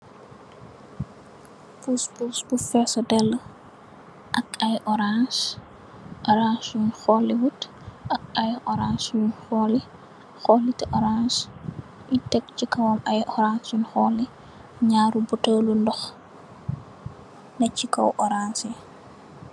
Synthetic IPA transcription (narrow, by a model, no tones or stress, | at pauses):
puspusbufɛsɔdɛlːə | ʔɐkɐjʔɔɾans | ʔɔɾansjunxɔliwut | ʔɐk̚ɐjʔɔɾansjunxɔːli | xɔlitɛʔɔɾans | itɛkcikɐwɐmɐjʔɔɾansjunxɔlːi | ɲaːɾubutəːlundɔx | nɐcikɐ̰wʔɔɾansi